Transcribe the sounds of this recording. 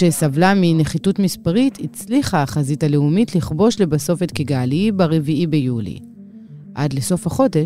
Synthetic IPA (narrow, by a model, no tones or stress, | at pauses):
esavlamine̞χitutmispaʁitʰit͡sliχaːχazitale̞umitliχbo̞ʃle̞baso̞fetkeɡaːlibaʁeviʔibejulḭ | ʔa̰dleso̞fhaχo̞de